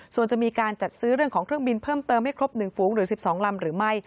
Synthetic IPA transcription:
su˨˩ənt͡ɕa˨ʔmiː˧kaː˧nt͡ɕa˨˩t̪̚sɯː˦˥ɾɯ˥˩əŋkʰɔː˩˦ŋkɾɯ˥˩əŋbi˧npʰɤː˥˩mt̪ɤː˧mha˥˩jkʰɾo˦˥p̚nɯ˨˩ŋfuː˩˦ŋɾɯː˩˦˥si˨˩p̚sɔː˩˦ŋla˧mɾɯː˩˦ma˥˩j

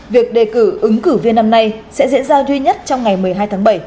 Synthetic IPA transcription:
vi˨˩ək̚ɗe˨˩kɨ˧˩ʔɨ˨˦ŋkɨ˧˩vi˧ənːa˧mna˧jsɛ̰˧˥zḭ˧˥nzaː˧zwi˧ɲə˦˥t̚t͡ɕɔ˧wŋ͡mŋa˨˩jmɨ˨˩əjɦaː˧jt̪ʰaː˨˦ŋɓə˧˩j

